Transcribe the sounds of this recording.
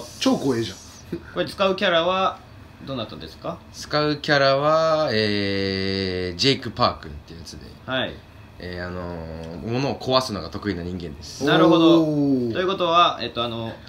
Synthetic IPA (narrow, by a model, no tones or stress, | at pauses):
t͡ɕo̞ːkoːeʑã | koet̪ːet͡sɨ̥kaɯ̟kʲaɾaβa | d̪o̞ːnat̪ːãnd̪esɨ̥ka | t͡sɨ̥kaɯ̟kʲaɾaβaeː | d͡ʑeikɯ̟paːkɯ̟̃nt̪ːejɯ̟jat͡sɨd̪e̞̰hai | eːanomo̞no̞ːkʰo̞βasɨno̞ɡat̪o̞kɯ̟inaɲ̟ĩŋɡẽ̞nd̪esɨ̥naɾɯ̟ɦo̞d̪ot̪o̞jɯ̟ko̞t̪o̞βaet̪ːo̞ano̞